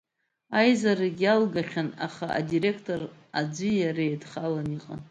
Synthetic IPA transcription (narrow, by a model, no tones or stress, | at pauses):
ajzaɾaɡʲalɡaχʲana̰χaa̰dire̞kʰtʰʼo̞r | ad͡zʷɨjaɾejdχalaniqʼa